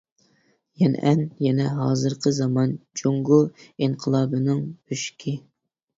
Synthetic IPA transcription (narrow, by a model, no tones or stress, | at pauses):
jɛnʔɛnjɛnɛɦɑːzɨɾqʰəzɑmɑnd͡ʒoŋɡuiɴqʰəlˠɑːbɨnɨŋb̥yʃkʲʰɪ